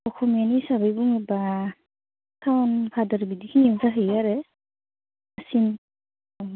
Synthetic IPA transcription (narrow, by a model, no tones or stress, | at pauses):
ɔkʰɔmianisabajbuŋiba | tʰawnpʰadaɾbidikʰinizaɦɯjaɾe | asin